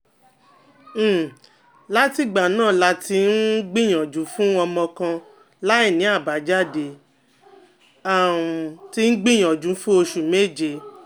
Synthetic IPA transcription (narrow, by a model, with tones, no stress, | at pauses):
la˦ti˦ɡ͡ba˨nãː˦˨la˧ti˧n̩˦ɡ͡bĩ˦˨j̃ɔ̃˨d͡ʒũ˨˦fũ˦ɔ˧mɔ̃˧kã˧ | la˦i˦˨nĩ˨˦a˦˨ba˨˦d͡ʒa˦˨de˧˨ | a˦˨ti˧n̩˦ɡ͡bĩ˦˨j̃ã˨d͡ʒũ˨˦fũ˦o˧ʃu˨me˦˨d͡ʒe˧˨